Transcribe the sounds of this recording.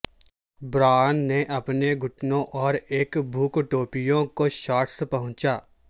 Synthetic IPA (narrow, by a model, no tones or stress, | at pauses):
bɾaːnːeʔɐpneɡʱʊʈnõʔɔːɾeːkbʱuːkʈoːpijõkoʃaːʈsepɐɦʊ̃t͡ʃaː